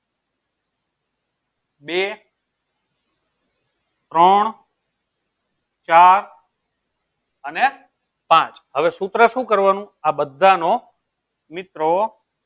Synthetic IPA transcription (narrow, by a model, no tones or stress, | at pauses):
be | t̪ɾəɳ | t͡ʃaɾ | əne | pãt͡ʃɦəʋesut̪ɾəʃũkəɾʋanũabəd̪ʱːano | mɪt̪ɾo